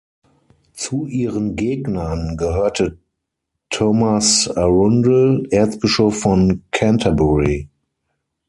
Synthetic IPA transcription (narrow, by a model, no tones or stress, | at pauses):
t͡suʔiːʁənɡeːɡnɐnɡəɦøːɐtʰə | tʰɔmasaʁʊndlʔeːɐt͡sb̥ɪʃɔfːɔnkʰãntʰabɔʁi